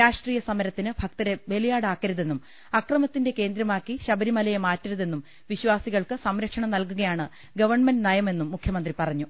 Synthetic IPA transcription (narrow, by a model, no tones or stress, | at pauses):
ɾaːʂʈriːjɐsɐmɐɾɐt̪ːinɨbʱɐkt̪ɐɾebe̞lijaːɽaːkːɐɾɐðe̞nːum | ɐkrɐmɐt̪ːinde̞ke̞ːnd̪ɾɐmaːkːiɕɐbɐɾimɐlɐjɐmaːtːɐɾuðe̞nːum | ʋiɕwaːsiɣɐɭkɨsɐmɾɐkʂɐɳɐmnɐlkuɣɐjaːɳɨ | ɡɐʋɐrɳmendnɐjɐme̞nːumːukʰjɐmɐnd̪ripɐrɐɲːu